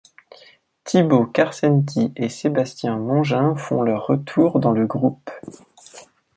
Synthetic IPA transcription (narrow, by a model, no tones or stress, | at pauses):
t̪ʰibokaʁsɛnt̪̬ʰiʔesebast̪jɛ̃mɑ̃ʒɛ̃fɔ̰̃lœʁːət̪ʰuːʁd̪ɑ̃ləɡʁup